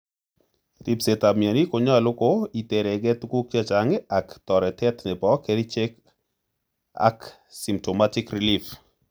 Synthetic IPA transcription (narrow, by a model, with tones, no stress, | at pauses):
ti˨pse˨ta˨mi˨a˨ni˦ko˨ɲɔ˦a˨lʊ˦ko˦i˨te˨ɾɛ˨ɡɛ˦t̪ku˦kja˦t͡ʃa˨ŋe˦a˨ktɔ˨ɾɛ˨tɛ˦tnɛ˨pɔ˦ke˨ɾi˦t͡ʃe˦k | a̰˦k | si˨mto˨ma˦ti˦kɾi˨lif